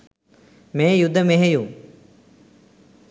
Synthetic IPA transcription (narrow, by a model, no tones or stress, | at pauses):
mẽːjud̪ʱːəmeɦeju